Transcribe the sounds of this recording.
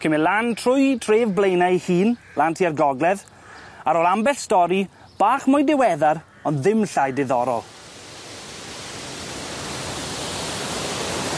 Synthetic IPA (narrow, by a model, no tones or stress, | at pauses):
kʰɪmɪlantʰrʊjtʰreːvblejnahiːn | laːntʰiːarɡɔɡlˠɛð | aɾoːlambɛɬstɔɾi | b̥aːχmʊjndɪwɛðaɾ | ɔnðɪmɬajdɪðɔɾɔ̰lˠ